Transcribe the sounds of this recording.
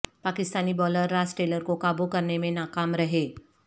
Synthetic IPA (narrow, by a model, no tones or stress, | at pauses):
paːkɪst̪aːnibɔːləɾːaːsʈeːləɾkokaːbukɐɾnemẽnaːkaːmɾɐɦeː